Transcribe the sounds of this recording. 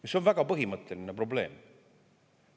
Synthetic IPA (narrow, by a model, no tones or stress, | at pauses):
miso̞nvæɡ̥ɑpɤɦimɤt̪ːˑe̞linepɾo̞ble̞ːm